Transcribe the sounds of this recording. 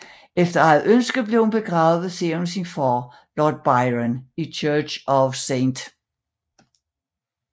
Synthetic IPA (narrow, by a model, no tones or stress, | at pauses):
efd̥ɐæð̩ˠønsɡ̥əð̩ble̝ʊhunb̥e̝ɡ̥ʁɑ̈ːʊðð̩ˠseunsinfɒː | lɒːd̥̚b̥ɑɪʁənit͡ɕʰœɐɕɒʋseɪnd̥